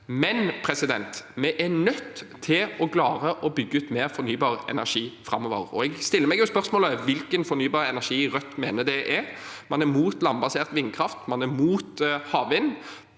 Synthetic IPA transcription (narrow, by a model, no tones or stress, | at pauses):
mɛnpʰɾɛsɪd̪ɛnt̪mɛʔænœt̪ʰːɪlɔklɑːʁəʔɔbʏɡːəʉːt̪meːɾfɔɾnyːbɑːʁɛ̰næʂiːfɾɑmːɔːʋə̰ʁɔ̰ɛɡst̪ɪlːəɾmɛɡjʊspœʁsmoːləʋɪlkənfɔnyːbɑːʁəɛnæʂiːɾœt̪ːmeːnəd̪ɛʔɛɾmɑnæɾmuːt̪lɑmbɑseːʁt̪ʋɪnkʰɾɑft̪mɑnæmuːt̪hɑːʋʋɪnː